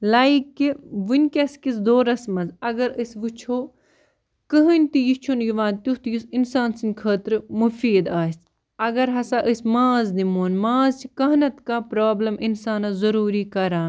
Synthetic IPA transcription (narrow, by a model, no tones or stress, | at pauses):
laːikːiʋɨnʲkʲɐskisd̪oːɾɐsmɐnzɐɡɐɾɨsʋɨt͡ʃʰoː | kɨɦɨnʲt̪ijit͡ʃʰunjiʋãːnt̪ʲut̪jisinsaːnsinʲkʰəːt̪ɾmufiːd̪aːsʲt̪ | ɐɡɐɾɦɐsaːʔɨsmãːzd̪imoːnmaːzt͡ʃʰikɐɦnɐt̪kaːpɾaːblɐmʔinsaːnɐzɐɾuːɾiːkɐɾaːn